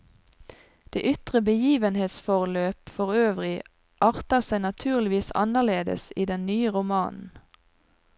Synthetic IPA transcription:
d̪̥ḛːʔʏt̪ʁəbəjiːʋənheːt̪sfɔʁløːpfɔʁøːʋʁɪ | ʔɑːʁt̪əʁsæɪnɑt̪ʰʉːʁlɪʋiːsɑ̰nəʁleːd̪ə̰siːd̪ɛnnyːəʁʊmɑːnn̩

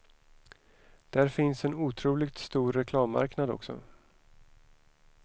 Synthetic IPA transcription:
d̪̥æɾfɪnsɛnuːt̪ʰɾuːlɪɡt̪st̪uːɾːɛkʰlɑːmːa̰ɾknad̪ɔ̰ksɔ̰

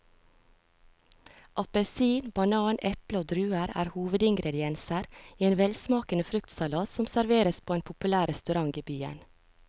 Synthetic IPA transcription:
ʔɑpəsiːnbɑnɑːnʔɛpləoːd̪ɾʉːəɾæ̰ːɾhuːʋəd̪ɪŋɡɾɛd̪ɪɛnsəɾiːeːnʋɛlsmɑːkənəfɾʉkt̪sɑlɑːsɔmsæɾʋeːɾəspʰoːeːnpʰʊpʉlæːɾɛst̪ʉɾɑŋiːbyːə̰n

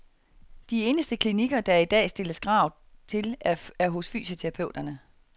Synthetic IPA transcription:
d̥ie̝ːnəsd̥əkʰliniɡ̥ɐd̥ɑ̈id̥ɛ̰ːsd̥e̝ləsɡ̥ʁɑ̈ʊ̰ | t͡sʰe̝læɐɦɔ̽sfy̰ːsət͡sʰeʁɑpʰøʊd̥ɐnə

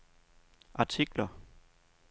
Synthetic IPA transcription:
ʔɑt͡sʰiɡ̥lɐ

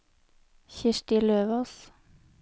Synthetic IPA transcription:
çɪʃʈɪløːʋos

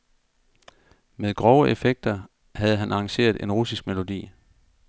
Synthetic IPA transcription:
meðˠɡ̥ʁɒʊəʔefeɡ̥̚d̥ɐ | hæð̞̩ˠəɦænʔɑ̈ɑ̈ŋɕe̝̰ːɐðˠʔe̝nʁusisɡ̥̚me̝lo̝d̥ḭː

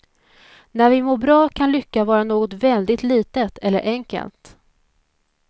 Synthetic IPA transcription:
næɾvɪmoːɾbɾɑːkʰanlʏkːavɑːɾanoːɡɔt̪vɛld̪ɪt̪liːt̪ət̪ʰɛlːə̰ɾʔɛŋkə̰lt̪

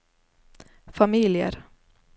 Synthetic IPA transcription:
familjə̰ɾ

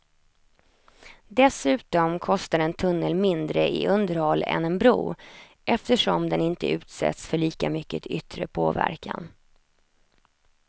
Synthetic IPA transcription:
d̪ɛsʉ̟ːt̪ɔmkʰɔst̪aɾɛnt̪ʰɵnːəlmɪnd̪ɾəɪʔɵnd̪əɾhɔlɛ̰nɛnbɾṵː | ʔɛft̪əʂɔmd̪ɛnɪnt̪ə̰ʉ̟ːt̪sɛ̰t̪sfœɭiːkamʏkːət̪ʏt̪ɾəpʰoːvæ̰ɾkʰan

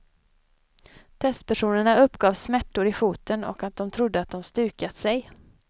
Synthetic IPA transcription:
t̪ʰɛst̪pʰæʂuːnəɳaɵpːɡɑːvsmæʈːʊɾɪfuːt̪ʰənɔ̰kat̪̚d̪ɔmt̪ʰɾʊd̪ːəat̪̚d̪ɔmst̪ʉ̟ːkat̪sɛj

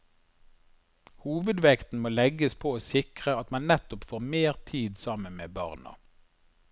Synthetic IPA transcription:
huːʋəd̪ʋɛkt̪n̩moːlɛɡəspʰoːoːsɪkʁəɑt̪mɑnnɛt̪ʊpfoːʁmeːʁt̪ʰiːd̪sɑmənmḛːbɑ̰ʁnə̰

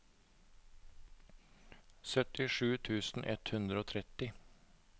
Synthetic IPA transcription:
sœt̪ɪʂʉːt̪ʰʉːsn̩ʔɛt̪hʉnd̪ɾəoːt̪ʰɾɛt̪ɪ

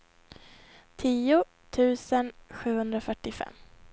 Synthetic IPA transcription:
t̪ʰiːʊ | t̪ʰʉ̟ːsənɧʉ̟ːhɵnd̪ɾafœʈːɪfɛ̰mː

